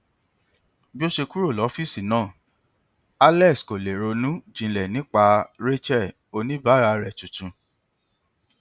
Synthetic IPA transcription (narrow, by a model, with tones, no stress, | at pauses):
bi˦o˦ʃe˧ku˦ɾo˦˨lɔ˨˦fi˦si˨nãː˦˨ | a˦lɛ˦˨sko˨le˨ɾo˧nũ˦d͡ʒĩ˨˧lɛ˨nĩ˨˦k͡pa˧ɾe˦t͡ʃɛ˦˨ | o˧nĩ˦ba˨˦ɾa˧ɾɛ˨tu˨tũ˧